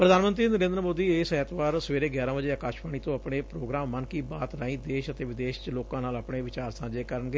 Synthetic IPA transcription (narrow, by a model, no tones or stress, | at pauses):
pɾəd̪aːnmə̃nt̪ɾiːnəɾẽːnd̪əɾəmoːd̪iːeːsɛːt̪ʋaːɾsəʋeːɾeːɡjaːɾãːʋəd͡ʒeːaːkaːʃbaːɽ̃iːt̪õːapɽeːpɾoːɡɾaːmːənkiːbaːt̪ɾaːĩːd̪eːʃət̪eːʋɪd̪eːʃt͡ʃloːkãːnaːlapɽeːʋɪt͡ʃaːɾsãːd͡ʒeːkəɾəɳɡeː